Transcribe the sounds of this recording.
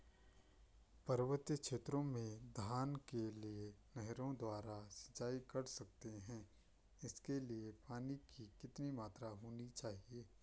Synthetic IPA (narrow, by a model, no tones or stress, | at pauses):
pɐɾʋət̪jəkʃeːt̪ɾõmẽd̪ʱaːnkelienɛɦɾõd̪waːɾasɐ̥t͡ʃːaːikɐɾsɐk̚t̪eɦɛ̃ː | ɪskeliepaːnikikɪt̪nimaːt̪ɾaɦoːnit͡ʃaːɦieː